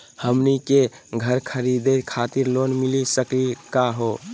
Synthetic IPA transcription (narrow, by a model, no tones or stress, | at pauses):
həmnikeɡʱəɾkʰəɾid̪et̪kʰat̪iɾlonmilisəklikaɦo